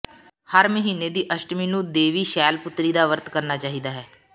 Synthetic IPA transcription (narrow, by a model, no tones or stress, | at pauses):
həɾməɦiːneːd̪iːʔəʃʈmiːnũːd̪eːʋiːʃɛːlpʊt̪ɾiːd̪aːʋəɾt̪kəɾnaːt͡ʃaːɦiːd̪aːɦɛː